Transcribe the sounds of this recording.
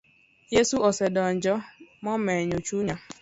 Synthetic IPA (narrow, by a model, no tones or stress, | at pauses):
jesuɔsedɔn̩d͡ʒɔmɔmeɲot͡ʃuɲa